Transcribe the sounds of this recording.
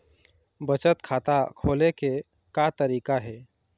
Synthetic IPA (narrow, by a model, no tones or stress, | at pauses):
bət͡ʃət̪kʰaːt̪akʰoːleke | kat̪əɾiːkaɦɛː